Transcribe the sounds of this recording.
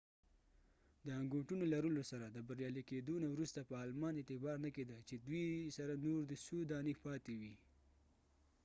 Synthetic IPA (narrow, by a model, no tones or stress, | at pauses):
d̪əaŋɡoʈunolaɾəlosaɾad̪əbaɾjɑliked̪onawɾust̪apəɑlmɑnet̪ɪbɑɾnəked̪əlt͡ʃed̪wisaɾanoɾd̪əsod̪ɑnepɑt̪ewi